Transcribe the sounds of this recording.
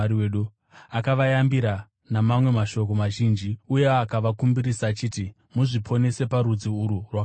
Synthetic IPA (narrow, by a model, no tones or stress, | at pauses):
ieɗu | akaʋajambiɾa | namamwe̞maʃo̞k̬o̞maʒiːnd͡ʒiuje̞akaʋakumbiɾisaːt͡ʃiːti | muʐipʰo̞ne̞se̞paɾud͡ziuɾurwa